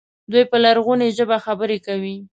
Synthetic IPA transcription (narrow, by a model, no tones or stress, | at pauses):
d̪ujpəlaɾɣuneʒəbaxabəɾekawi